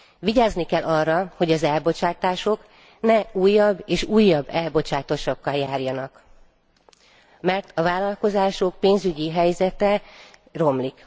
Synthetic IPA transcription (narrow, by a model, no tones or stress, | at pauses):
viɟaːznikɛlːʔɒrːɒho̞ɟɒzɛlbo̞t͡ʃaːt̪aːʃo̞k | nɛuːjːɒbːeːʃuːjːɒbːɛlbo̞t͡ʃaːt̪o̞ʃokːɒljaːrjɒnɒk | mɛrt̪ʰɒvaːlɒlko̞zaːʃo̞k̚peːnzyɟiɦɛjzɛt̪ɛro̞mlik